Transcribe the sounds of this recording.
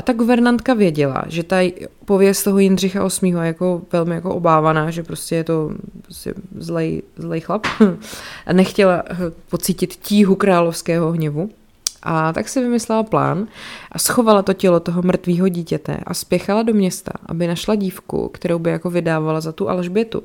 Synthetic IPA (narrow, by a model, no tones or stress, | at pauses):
ʔat̪aɡuvɛɾnant̪kavjɛɟɛla̰ʒɛt̪apo̞vjɛst̪t̪oɦo̞jɪnr̝ɪxaʔo̞smiːɦojɛjako̞vɛlmɪjakoʔobaːvanaːʒɛpɾoscɛjɛt̪o̞pɾoscɛ̰zlɛjzlɛjxlap | ʔnɛxcɛlapo̞t͡siːcɪt̪ciːɦukɾaːlofskɛːɦo̞ɦɲɛvu | ʔat̪a̰ksɪvɪmɪslɛlapla̰ːnʔasxo̞valat̪o̞cɛlot̪oɦomr̩t̪viːɦoɟiːcɛt̪ɛ̰ʔa̰spjɛxalado̞mɲɛst̪a̰ʔa̰bɪnaʃlaɟiːfkṵkt̪ɛɾowbɪjako̞vɪdaːvalazat̪uʔa̰lʒbɛt̪ṵ